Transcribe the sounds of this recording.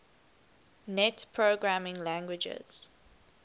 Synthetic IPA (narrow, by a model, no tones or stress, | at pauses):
nɛtpʰɹoɡɹamɪ̃ŋlæ̃ŋɡwɪd͡ʒə̰z̥